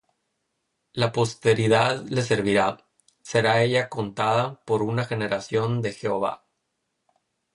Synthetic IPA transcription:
lapo̞st̪e̞ɾiðaðle̞s̬e̞ɾβiɾa | se̞ɾae̞ʝako̞nt̪aðapo̞ɾunaxe̞ne̞ɾasjo̞nd̪e̞xe̞o̞βa̰

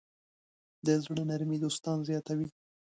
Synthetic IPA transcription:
d̪əzɽənaɾmid̪ost̪ɑnzjɑt̪awi

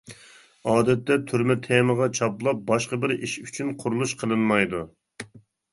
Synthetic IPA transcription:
ɑːd̪ɛt̪ːɛt̪ʰyɾmɛt̪ʰeməʁɑt͡ʃʰɑplˠɑp̚bɑʃqɑbɪɾiʃyt͡ʃʰynqʰʊɾulˠuʃqʰəlˠɨnmɑjd̪u

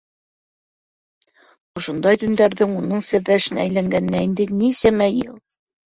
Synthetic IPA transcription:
ŏʃŏnd̪ɑjt̪ɵ̆nd̪æɾðɘŋunɤɴsæðːæʃɘ̆næjlæŋɡænɘ̆næind̪ɘnisæmæjɘlˠ

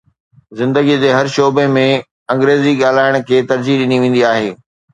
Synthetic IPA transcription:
zɪ̃nd̪əɡid̪eɦɐɾʃoːbemẽ | ɐ̃ŋɡɾeːziɠaːl̤aːɪɽ̃kʰeːt̪ɐɾd͡ʑiɗɪniʋẽːn̆d̪iaːɦeː

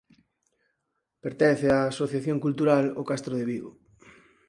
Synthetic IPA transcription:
peɾt̪ɛn̟θeaːsoθjaθjoŋkult̪uɾalokast̪ɾoðɪβiɣo̰

